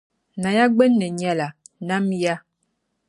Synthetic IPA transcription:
na˨ja˦ɡ͡bɛ˦nːə˨ɲ˦a˦la˨na˦mja˦

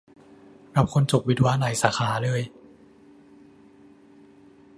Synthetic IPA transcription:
ɾa˧˦˥p̚kʰo˧nt͡ɕo˨˩k̚wi˦˥t̪̚waː˧˥naː˨˩˦jsaː˩˦xʰaː˩˦lɤː˧j

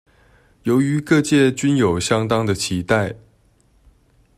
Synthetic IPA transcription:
jo˧˥ʊy˧˥kɤ˥˧t͡ɕjɛ˥˩t͡ɕy˥njo˨˩ʊɕjɑ˥ŋt̪ɑ˥ŋd̪ə˨t͡ɕʰi˧˥t̪a˥˩ɪ

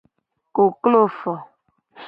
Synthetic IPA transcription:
ko˨klo˦fɔ˨

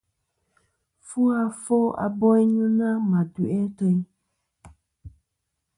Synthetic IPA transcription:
fu˦a˧fo˦a̰˨bɔ˦i˦ɲũ˦nã˦mã˨du˨ɛ˦tə˧i˦

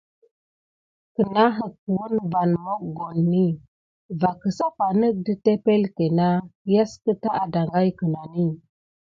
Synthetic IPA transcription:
kə˨na˦ɦə˨k̚wu˦nva˨nmo˦k̚ɡo˨nːi˦ | va˨kə˨sa˦pa˨nə˦k̚də˦te˦pe˦lke˨na˦ja˦skə˦ta˦ʔa˨da˨ŋɡa˦jkə˨na˨ni˦

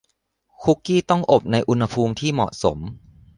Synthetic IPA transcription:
kʰu˦˥kːiː˥˩t̪ɔ˥˩ŋʔo˨˩p̚na˧jʔu˧nha˧pʰuː˧mt̪ʰiː˥˩mɔ̰˨˩ʔso̰˩˦m

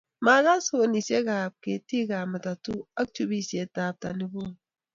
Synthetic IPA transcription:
ma˨ɣa˦so˦˨ni˨se˦ɡa˨b̚ke˨ti˦ɡa˨mə˨ta˨tu˦a˦k̚t͡ʃu˦bi˦se˨ta˨b̚ta˨ni˨bo˦

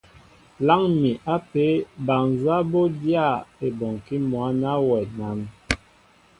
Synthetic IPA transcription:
la˦ŋmi˨ʔa˦pe˦ba˨ŋza˦bo˦dja˦˨e˨bɔ˨ŋki˦mwa˨˦na˦wɛ˨na˨˦m

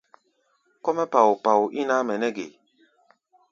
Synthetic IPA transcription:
kɔ˦mɛ˦pa˨wu˨pa˨wu˨ʔi˦na˦mɛ˨nɛ˦ɡe˨

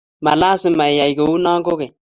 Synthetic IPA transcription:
ma˨la˦sɪ˨ma˨i˨ja˨jɡo˨u˦na˦ŋɡʊ˦ɡɪ˨

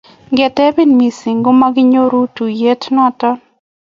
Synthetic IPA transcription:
ŋɡɛ˨tɛ˦bi˦nmi˨sɪ˨ŋɡo˦ma˦ɡɪ˦ɲo˦ɾu˦tu˨je˦tnɔ˦a˨tɔ˦n

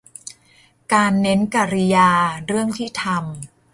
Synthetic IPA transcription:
kaː˧nːe˦˥nka˧ɾi˧jaː˧ɾɯ˥˩əŋt̪ʰiː˥˩t̪ʰa˧m

